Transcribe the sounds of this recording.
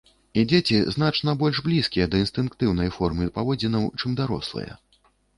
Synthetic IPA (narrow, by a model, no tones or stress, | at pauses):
id͡zʲet͡sʲiznat͡ʂnɐbɔlʲʐblʲiskʲijɛd̪ɐinst̪ɨnkt̪ɨwn̪ɐjfɔrmɨpavɔd͡zʲinɐwt͡ʂɨmd̪aɾɔ̰slˠɨ̰jɐ̰